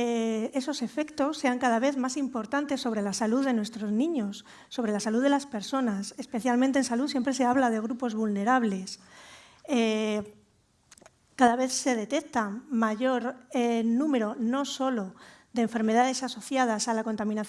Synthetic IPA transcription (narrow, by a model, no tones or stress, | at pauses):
ee̞so̞se̞fe̞kt̪o̞sːe̞aŋkað̞aβe̞θmasimpo̞ɾt̪ant̪e̞sːo̞βɾe̞lasaluðe̞nwe̞st̪ɾo̞znĩɲo̞sː | o̞β̞ɾe̞lasaluðe̞laspe̞ɾso̞nasespe̞θjalment̪ensaluðs̬jempɾe̞se̞aβlað̞e̞ɣ̞ɾupo̞zβulne̞ɾaβle̞s | e | kaðaβe̞θse̞ð̞e̞t̪e̞kt̪aŋmaʝo̞ɾenũme̞ɾo̞no̞so̞lo̞d̪eːɱfe̞ɾme̞ð̞aðe̞saso̞θjað̞asalako̞nt̪amĩnaθ